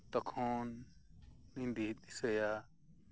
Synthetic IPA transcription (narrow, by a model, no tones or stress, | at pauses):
t̪ɔkʰɔnː | ĩnd̪it̪̚ˀisəja